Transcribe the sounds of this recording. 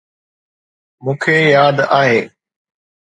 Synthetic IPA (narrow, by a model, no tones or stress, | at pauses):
mũːkʰeːjaːd̪aːɦeː